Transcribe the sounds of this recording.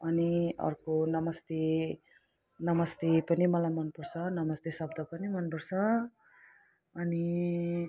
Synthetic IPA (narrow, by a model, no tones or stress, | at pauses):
ʌniʌ̰rkonʌmʌst̪e | nʌmʌst̪epʌnimʌlajmʌnpʌrsʌnʌmʌst̪esʌbd̪ʌpʌnimʌnpʌrsʌ | ni